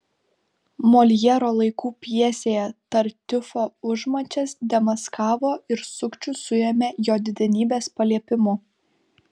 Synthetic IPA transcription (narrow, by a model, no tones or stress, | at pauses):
moːlʲjɛɾoːlˠɐɪkuːpʲjiɛsʲeːjɛt̪ɐɾʲt̪ʲɪfoːʊʒmɐt͡ʃʲɛsd̪ʲɛmɐskɑːʋoːɪɾsʊkt͡ʃʲʊsʊjɛmʲejoːd̪ʲɪd̪ʲɛnʲiːbʲeːspɐlʲiɛpʲɪmʊ